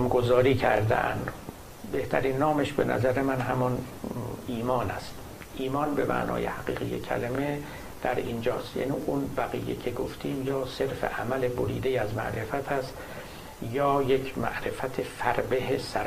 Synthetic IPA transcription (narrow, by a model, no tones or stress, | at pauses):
mɡozɒːɾiːcʰæɾd̪ḛʔæ̰nd̪ | be̞ht̪ʰæɾiːnːɒːmeʃbenʔæ̰zæɾemænɦæmɒn | iːmɒːnæ̰st̪ | ʔiːmɒːnbe̞mʔæ̰ʔnʔɒ̰ːjḛhæɡḭːɣḭjḛcʰæ̰leme | d̪̥æɾind͡ʒɒːst̪jæ̰ːniːʔunbæɣiːjecʰeɡoft̪ʰiːmjɒːse̞ɾfḛʔæmæleboɾḭːd̪ejæzmæ̰ʔɾe̞fæt̪ʰæst̪ | jɒːjecʰmæ̰ʔɾe̞fæt̪ʰefæɾbeɦesæɾ